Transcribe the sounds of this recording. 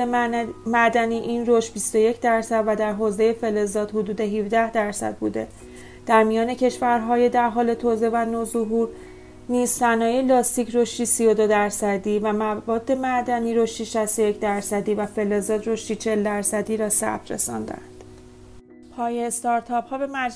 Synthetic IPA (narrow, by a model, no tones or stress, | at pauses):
mæd̪æniːʔiːnroʃt̪̚bist̪o̞je̞cʰd̪æɾsæd̪væd̪æɾɦoːze̞je̞fe̞le̞zɒːd̪̥hod̪uːd̪e̞ɦivd̪æhd̪æɾsæ̰d̪̚bṵːd̪e̞ | d̪̥æɾmijɒːne̞cʰe̞ʃvæɾɦɒːje̞d̪æɾɦɒːle̞t̪ʰoze̞vænozoɦuːɾ | niːzsænɒːjelɒːst̪iːcʰɾo̞ʃt̪iːsijod̪o̞d̪æɾsæd̪iːvæmævɒːd̪ːe̞mæʔd̪æniːɾo̞ʃt̪iːʃæst̪oje̞cʰd̪æɾsæd̪iːvæfe̞le̞zɒːd̪ro̞ʃt̪iːt͡ʃʰe̞ld̪æɾsæd̪iːɾɒːsæ̰̥t̪ɾe̞̰sɒ̰ːnd̪æ̰nd̪̥ | pʰɒːjest̪ɒɾt̪ʰɒphɒːbe̞mæd͡ʒ